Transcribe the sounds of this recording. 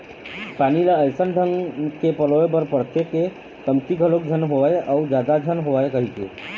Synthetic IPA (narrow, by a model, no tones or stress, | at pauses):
panilaəjsənɖʱəŋkepəlɔebəɾpəɾt̪eke | t̪əmt̪ikəlok̚d͡ʒʱənɦoaeʔaud͡ʒad̪ad͡ʒʱənɦoaekəɦit̪ḛ